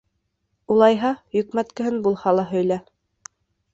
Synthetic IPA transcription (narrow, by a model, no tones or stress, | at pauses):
ulˠɑjɦɑjɵ̆kmæt̪kɘ̆ɦɘnbulˠhɑlˠɑɦɵ̆jlæ